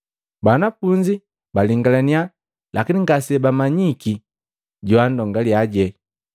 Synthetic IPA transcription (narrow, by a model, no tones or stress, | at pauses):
banafuɲd͡ʒi | baliŋɡalania | lakiniŋɡasɛbamaɲiki | ɟuandɔŋɡaljaɟɛ